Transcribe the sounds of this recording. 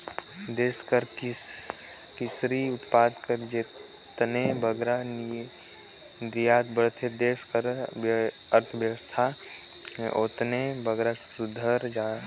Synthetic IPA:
d̪eskəɾ | kɪsɾiʊt̪paːd̪kəɾd͡ʒe | t̪nebəɡɾan | d̪ijaːt̪bəɾt̪ʰed̪eːskəɾ | əɾt̪ʰəʋjəʋəst̪ʰa | ʔoːt̪nebəɡɾasʊd̪ʱəɾd͡ʒa

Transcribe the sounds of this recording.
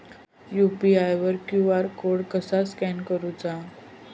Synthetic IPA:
jupiajʋəɾkjuaɾkoɽkəsaskɛnkəɾut͡sa

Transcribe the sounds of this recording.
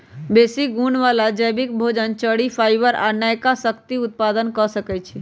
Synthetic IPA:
besiɡunʋalad͡ʒəjbikbʱod͡ʒənt͡ʃəɽipʰajbəɾa̰najkasəkt̪iut̪̚pad̪ənkɔsəkɛt͡ʃʰi

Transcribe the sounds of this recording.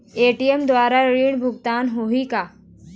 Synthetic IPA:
eʈijemd̪ʋaːɾaɾiːɳbʱʊɡt̪aːnɦoɦika

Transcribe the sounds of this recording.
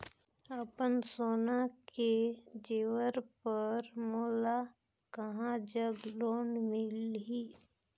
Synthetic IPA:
əpənsoːnaked͡ʒeːwəɾpəɾmoːla | kəɦãd͡ʒəɡloːɳmɪlɦiː

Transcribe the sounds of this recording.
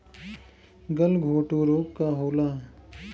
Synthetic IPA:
ɡəlɡʱoːʈuːɾoːk̚kaɦoːlaː

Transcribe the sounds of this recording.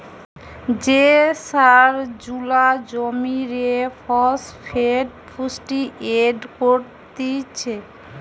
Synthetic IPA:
d͡ʑesaɾd͡ʑulad͡ʑomiɾefɔsfʰeɖfʰusʈiʔeɖkoɾt̪it͡ɕʰe

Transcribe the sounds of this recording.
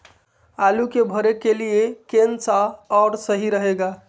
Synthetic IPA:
alukebʱəɾekeliekensaɔːɾsəɦiɾəɦeɡa

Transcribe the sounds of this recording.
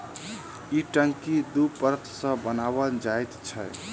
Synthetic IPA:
iʈəŋkid̪upəɾkʰsə̃bənabəld͡ʒajt̪t͡ʃʰəj

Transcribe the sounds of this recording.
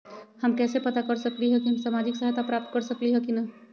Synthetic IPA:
hɐmkɛːsepɐt̪akɐɾsɐkliɦɛkiɦɐmsaːmaːd͡ʒɪksəɦt̪apɾaːp̚t̪̚kɐɾsɐkliɦɛkinɐ

